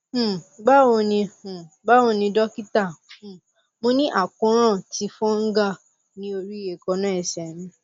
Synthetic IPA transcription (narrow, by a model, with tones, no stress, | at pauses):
ɡ͡ba˦wo˧nĩ˧˨ | ba˦wo˧nĩ˧dɔ˦ki˦tã˦˨ | mo˧nĩ˦ʔa˦˨kɔ̃˨˧ɾ̃ã˦˨ti˨˧fɔ̃˦ŋ̩˦ɡa˦˨ | nĩ˨˦o˧ɾi˦˨je˨kɔ˧nã˦ɛ˦˨sɛ˨nĩ˨˧